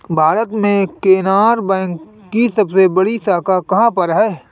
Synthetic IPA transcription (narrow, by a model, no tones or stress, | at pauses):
bʱaːɾət̪mẽkeːnaːɾbɛ̃ːŋkː | isɐbsebɐɽisaːkakɐɦãpɐɾɦɛː